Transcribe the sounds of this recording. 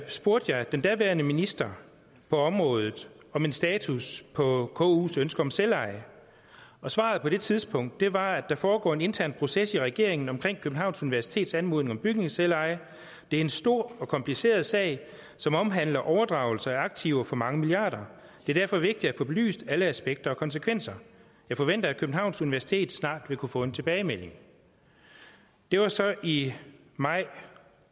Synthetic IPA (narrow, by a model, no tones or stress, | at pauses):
sb̥o̝ɐd̥jɑ̈ɪd̥end̥æʋæɐnəminisd̥ɐ | pʰɒ̽ɒ̽mʁɔ̽ːð̞ˠð̩ˠ | ɒ̽me̝nsd̥ɛːt͡sʰuspʰɒ̽kʰɔ̰ːṵːsønsɡ̥ɐɒ̽mselɑ̈ɪ | ɒ̽sʋɑ̰̈ðˠpʰɒ̽ɾ̥e̝t͡sʰiðˠsb̥ʰɔ̽ŋ̰d̥̚ːe̝ʋɑ̈æ̥ɑ̈fɒːɡ̥ɒ̰ːe̝ne̝nt͡sʰæɐ̰npʰʁo̝sesiʁɛɡ̥e̝ɐeŋn̩ɒ̽mkʰʁeŋ̰kʰøb̥̚n̩ɦɑ̈ʊnsuniʋæɐsi̥t͡sʰe̝̰ːd̥sænmo̝ðˠne̝ŋɒ̽mb̥yɡ̥ne̝ŋselɑ̈ɪ | d̥e̝æɐe̝nsd̥o̝ɐ̰ɒ̽kʰɒ̽mpʰlise̝̰ːɐð̩ˠsɛ̰ɪ | sɒ̽mɒ̽mɦæn̰lɐʔɒʊɐd̥ʁɑ̈ːʊl̩sɐæɐɑ̈ɡ̥̚t͡sʰiʊfɒ̽mɑ̈ŋəmiliɑ̈ːɾ̥ɐd̥e̝ɐd̥æɐfɒ̽ʋe̝ɡ̥̚d̥id̥æfɒ̽b̥e̝ly̰ːsd̥æləæsb̥eɡ̥̚d̥ɐɒ̽kʰɒ̽nsəkʰʋen̰sɐ | jɑ̈ɪfɒ̽ʋen̰d̥ɐækʰøb̥n̩hɑ̈ʊnsuniʋæɐsi̥t͡sʰe̝̰ːd̥snɑ̰̈ːd̥ʋe̝kʰufɔ̰̽ːe̝nt͡sʰe̝b̥ɛːɪmel̰e̝ŋ | d̥e̝ʋɑ̈sɒ̽ʔi | mɑ̈ɪ̰